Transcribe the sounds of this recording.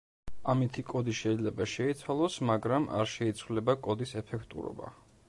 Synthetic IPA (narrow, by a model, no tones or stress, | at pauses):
amit̪ʰikʼɔd̪iʃɛid̪zlɛbaʃɛit̪sʰwalˠɔsmaɡɾamʔa̰ɾʃɛit̪sʰwulɛbakʼɔd̪isɛpʰɛkʰt̪ʼṵɾɔ̰ba̰